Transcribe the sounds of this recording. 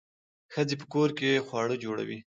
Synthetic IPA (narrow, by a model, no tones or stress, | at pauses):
xəd͡zepə̥koɾkexwɑɽəd͡ʒoɽa̰wi